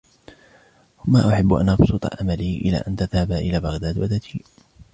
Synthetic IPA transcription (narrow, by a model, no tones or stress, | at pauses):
wamaːʔʊħɪbːʔa̰nʔɑbsˤuːt̪ˤɑ̰ʕamaliːʔɪla̰ːʔant̪aðhabaʔɪlaːbɑɣd̪aːd̪wad̪at̪ʰiː